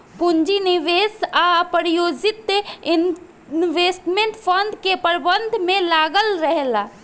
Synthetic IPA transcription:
puɲd͡ʒiniʋeːsapəɾijoːd͡ʒɪt̪ɪn | nʋeːsʈmẽɳʈpʰə̃nd̪kepəɾbənd̪ʱmẽlaːɡəlɾəɦla

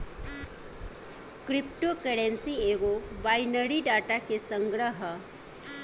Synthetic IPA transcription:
kɾipʈokəɽensieɡobajnəɽiɖaʈakesəŋɡɾəɦə

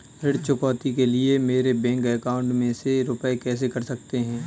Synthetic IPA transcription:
ɾɪɽt͡ʃʊkɔːt̪ikelɪemeːɾebɛ̃ːŋkɛːkaːʊ̃ɳʈmẽseɾʊpekɛːs̬ekɐɾsɐk̚t̪eɦɛ̃ː

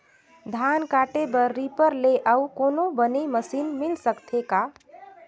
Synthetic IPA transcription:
d̪ʱaːnkaːʈebəɾːiːpəɾleʔaukoːnõbəneməsiːnmɪlsəkt̪ʰekaː

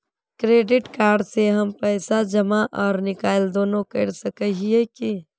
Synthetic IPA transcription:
kɾeːɖɪʈkaːɾɖseɦɐmpɛːsad͡ʒɐmaʔɔːɾnɪkaːɪld̪oːnõkɐɾsɐkəɦieki

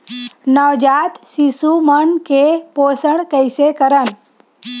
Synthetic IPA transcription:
nəʋd͡ʒat̪sisumənkepoːsəɽ̃kəɪsekəɾən

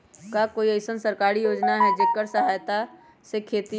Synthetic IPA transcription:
kakoːiɐɪsənsəɾkaːɾijoːd͡ʒnaɦɛd͡ʒekːəɾsəɦaːjt̪a | sekʰeːt̪i

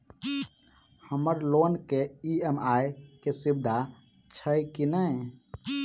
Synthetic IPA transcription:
həməɾlonkeiemajkesib̚d̪ʱa | t͡ʃʰəjkinəj

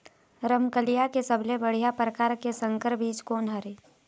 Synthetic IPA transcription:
ɾəmkəlijakesəblebəɽ̤ijapɾəkaːɾkesə̃ŋkəɾbiːt͡ʃkoːnɦəɾeː

